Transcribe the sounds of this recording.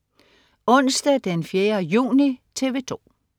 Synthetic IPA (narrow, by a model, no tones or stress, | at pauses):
ɔ̽n̰sd̥ɛd̥enfjeːɐjṵːnit͡sʰe̝ʋe̝t͡sʰo̝̰ː